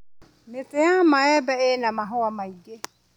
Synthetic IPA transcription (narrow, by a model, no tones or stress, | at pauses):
metejamaɛbɛenamaɦʊamaiɡe